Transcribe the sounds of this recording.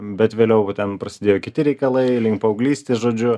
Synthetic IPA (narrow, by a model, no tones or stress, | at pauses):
bʲɛt̪ʋʲeːlʲɛʊt̪ʲɛnpɾɐsʲɪd̪ʲeːjoːkʲɪt̪ʲɪɾʲɛɪkɐlˠɐɪlʲɪŋkpɐɐʊɡlʲiːsʲt̪ʲeːsʒoːd͡ʒʲʊ